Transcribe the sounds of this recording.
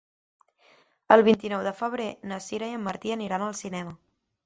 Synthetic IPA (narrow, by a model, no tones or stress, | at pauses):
əlˠβint̪inɔwðəfəβ̞ɾenəsiɾəiəmːəɾt̪iəniɾanəlˠsinɛmə